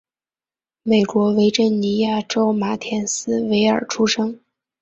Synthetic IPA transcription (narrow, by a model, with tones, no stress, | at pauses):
me˨˩ɪkwɔ˧˥we˧˥ɪʈ͡ʂə˥˩nni˧˥ja˥˩ʈ͡ʂo˥ʊma˨˩t̪ʰjɛ˧˥nsɹ̩˥we˧˥ɪə˞˨˩ʈ͡ʂʰu˥ʂɤ˥ŋ